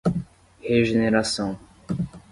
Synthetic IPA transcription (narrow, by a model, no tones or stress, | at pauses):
heʒeneɾasɐ̃w̃